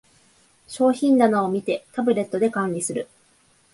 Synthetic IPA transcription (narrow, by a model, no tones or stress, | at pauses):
ɕo̞ːçĩnd̪anaomʲit̪e̞t̪abɯ̟ɾe̞t̪ːo̞d̪e̞kãnʲɾʲisɨɾɯ̟